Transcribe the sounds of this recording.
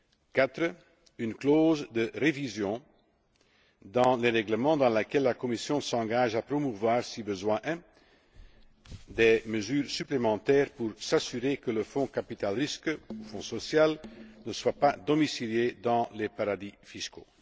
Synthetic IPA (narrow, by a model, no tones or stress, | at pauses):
kat̪χə | ynkloːzd̪əʁevizjɔ̃ | d̪ɑ̃leʁɛɡləmɑ̃d̪ɑ̃lekɛlːakɔmisjɔ̃sɑ̃ɡaʒaprɔmuvwaːʁsibəzwɛ̃ʔɛ̃ | d̪eməzyːʁsyplemɑ̃t̪ɛːʁpuʁsasyʁekələfɔ̃kapit̪alʁiskufɔ̃sɔsjalnəswapad̪ɔmisiljed̪ɑ̃lepaʁad̪ifisko